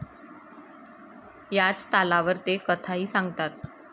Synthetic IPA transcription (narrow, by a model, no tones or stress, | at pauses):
jat͡st̪alaʋəɾt̪ekət̪ʰaɦiːsãŋɡt̪at̪̚